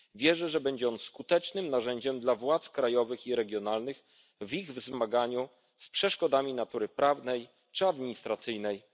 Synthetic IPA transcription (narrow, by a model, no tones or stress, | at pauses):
vʲjɛʐɛʐɛbɛɲd͡ʑɛɔnskut̪ɛt͡ʂnɘmnaʐɛɲd͡ʑɛmd̪lavwat̪skɾajɔvɘxiɾɛɡʲjɔnalnɘx | viɣvzmaɡaɲu | spʂɛʂkɔd̪amʲinat̪uɾɘpɾavnɛj | t͡ʂɘad̪mʲiɲist̪ɾat̪sɘjnɛj